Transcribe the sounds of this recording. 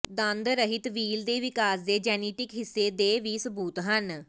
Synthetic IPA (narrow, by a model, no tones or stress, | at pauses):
d̪ə̃nd̪ɾəɦɪt̪ʋiːld̪eːʋɪkaːsd̪eːd͡ʒɛːniːʈɪkɦɪsːeːd̪eːʋiːsəbuːt̪ɦən